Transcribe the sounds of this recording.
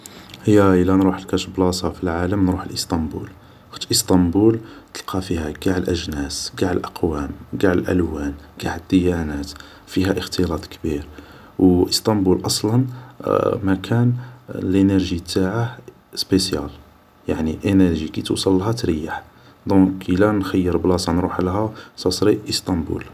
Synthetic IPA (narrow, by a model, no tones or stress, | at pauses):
həjːæʔəlːænɾuħəlkæʃəblɑsˤɑfilʕaləmnɾuħəlʔəst̪ˤɑmbṵl | xə̥t̪ʔəst̪ˤɑmbult̪əlqʰɑfihæɡaʕəlʔəʒnæsɡaʕəlʔɑqwæmɡaʕəlʔæ̰lwænɡ̥aʕəd̪ːəjænæt̪ | fiɦæʔəxt̪ʰəlɑt̪ˤkbiɾ | wʔəst̪ˤɑmbulʔɑsˤlɑn | mækʰænlʔinəɾʒit̪ːaʕa | spesjæ̰l | jaʕniʔenəɾʒikit̪ṵsˤɑlːɦæt̪ɾəjaħ | d̪ɔ̃kəlænxəjːəɾblɑsˤɑnɾuħlɦæsɑsˤɾiʔəst̪ˤɑmbṵl